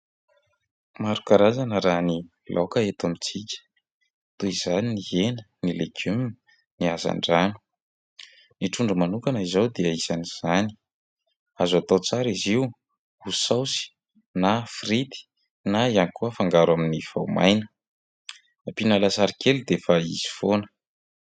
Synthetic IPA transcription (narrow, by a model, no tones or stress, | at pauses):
maɾukaɾazanəɾani | lʔokəet̪amit͡sikʲə̥ | t̪uizaniniɦenənileɡum | niaza̰ɳɖ͡ʐanu̥ | niʈ͡ʂuɳɖ͡ʐəmanukanəizawd̪eəizaniz̥ani̥ | azat̪ot͡saɾiziw | usawsi̥ | nafrit̪i̥ | naianikuəfaŋɡaɾwaminifa̰wma̰jnə | apinalasaɾikʰelud̪efaḭz̥i̥fonə̥